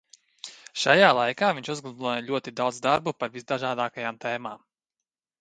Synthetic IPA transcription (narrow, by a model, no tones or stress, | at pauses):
ʃajaːlˠajkaːviɲʲt͡ʃuzɡlˠublˠɔːjʎʲuɔt̪id̪awd̪zd̪aɾbupaɾvisd̪aʒaːd̪aːkajaːmt̪eːmaːm